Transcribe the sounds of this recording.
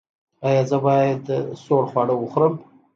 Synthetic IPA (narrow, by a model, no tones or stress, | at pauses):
ɑjɑzəbɑjad̪soɽxwɑɽəwuxɾəm